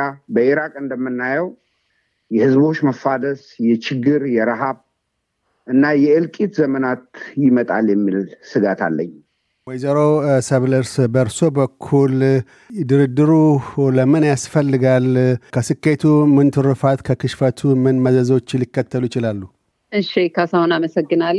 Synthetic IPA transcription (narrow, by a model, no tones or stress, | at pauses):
abəʔiɾakʼɨnd̪əmːɨnːajɛw | jɛhɨzbo̞t͡ʃːməfad̪əsjɛt͡ʃɪɡɨɾjɛɾɨɦaβ | ʔɨnːajɛɨlkʼit̪zəmənat̪jɪmət̪ʼa̰ljɛmːilsɨɡat̪ʰa̰lːə̰ɲ | wɔjzəɾo̞səβləɾsbəɾso̞bəkʰːul | d̪ɨɾɨd̪ɨɾuləmɨnjasfəlːɨɡalkʰəsɨkːe̞t̪ʰumɨnt̪ʰɨɾɨfat̪kʰəkɨʃfət̪ʰumɨnməzəzo̞t͡ʃːlːikːət̪ʰːəlujɪt͡ʃɪlalːu | ʔɨʃikʰasəhonaməsəɡːɨnal